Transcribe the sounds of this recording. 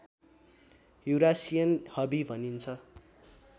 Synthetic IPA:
ɦuɾasijʌnhʌbibʱʌnint͡sʰʌ

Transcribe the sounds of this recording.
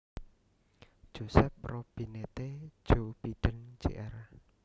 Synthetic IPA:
d̥ʒ̥osɛp̚rob̥i̤net̪e̥d͡ʒ̥ob̥id̪̥ə̤n̥d͡ʒḛʔɛr

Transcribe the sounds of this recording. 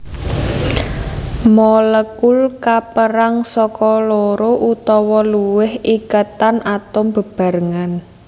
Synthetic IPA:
mɔləkulkapəɾaŋsɔkɔloɾoʔut̪ɔwɔluwɪhikət̪anʔat̪ɔmbə̤b̥a̤ɾəŋan

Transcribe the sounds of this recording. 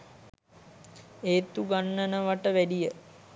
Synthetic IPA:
eːt̪uɡanːənəʋaʈəʋæɖijə

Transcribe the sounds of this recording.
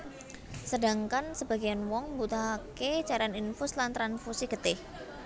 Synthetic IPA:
səda̤ŋkansəb̥a̤ɡianwɔŋmbut̪aɦaket͡ʃaɾaninfʊslant̪ɾanfusiɡ̥ət̪ɪh

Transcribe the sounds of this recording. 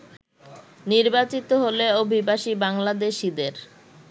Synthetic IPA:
niɾbat͡ɕit̪oɦoleobʱibaʃibaŋlad̪eʃid̪eɾ

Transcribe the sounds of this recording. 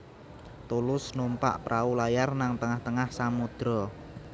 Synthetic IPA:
t̪ulʊsnumpa̰ʔpɾʔaulajarnaŋt̪əŋaht̪əŋahsamud̪̥ɾɔ

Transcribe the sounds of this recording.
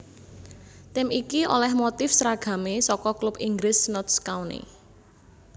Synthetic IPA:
t̪ɪmikiʔo̰lɛhmot̪ɪfsɾaɡ̥ä̤mesɔkɔklupiŋɡɾɪsnɔt̪skaunḛ

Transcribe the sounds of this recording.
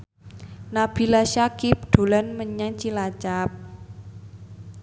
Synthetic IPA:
nab̥i̤laʃakip̚ɖ̪̥o̤lanməɲaŋt͡ʃilat͡ʃap̚

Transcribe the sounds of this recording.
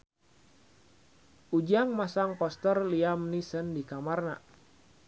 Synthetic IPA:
ʔud͡ʒaŋmasaŋpɔst̪ərliamnisəndikamarna

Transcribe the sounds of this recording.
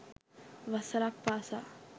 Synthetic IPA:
ʋɐsəɾak̚pasa

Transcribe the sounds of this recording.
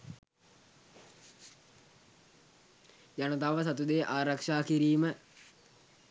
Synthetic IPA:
janət̪aʋəsat̪ud̪eʔaːɾakʂaːkiɾiːmə

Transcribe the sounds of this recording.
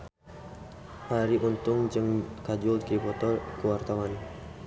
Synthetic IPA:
ʔaɾiʔunt̪ʊŋd͡ʒɨŋkad͡ʒulkipɔt̪ɔrkəwart̪awan

